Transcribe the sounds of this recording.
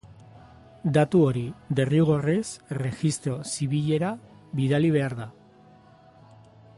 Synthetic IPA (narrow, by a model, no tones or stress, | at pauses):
d̪at̪uo̞ɾid̪e̞riuɣ̞o̞resre̞xist̪ɾo̞siβiʎe̞ɾa | βiðaliβ̞e̞aɾða